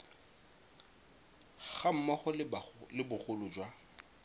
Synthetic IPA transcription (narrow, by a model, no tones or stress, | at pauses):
ɣam̩maχʊllɪbʊχʊlʊd͡ʒwa